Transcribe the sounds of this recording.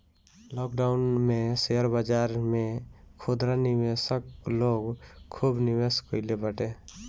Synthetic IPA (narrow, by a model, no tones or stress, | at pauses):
lɔːk̚ɖaʊnmẽsejəɾbad͡ʒaːɾmẽkʰod̪ɾanɪʋesəkloːɡkʰːuːbnɪʋeskoɪlebəʈe